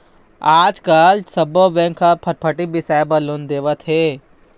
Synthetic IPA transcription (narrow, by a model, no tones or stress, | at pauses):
aːd͡ʒkaːlsɐboʋɛ̃ŋkʰapʰɐʈ̚pʰəʈibɪsaːjbɐlond̪eːʋət̪ɦeː